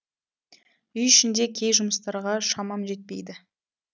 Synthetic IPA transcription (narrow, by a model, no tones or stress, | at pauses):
ʏjʏʃɪnd̪e̞kʲʰe̞jʒʊməst̪ɑɾʁɑʃɑmɑmʒe̞t̪̚pe̞jd̪ɪ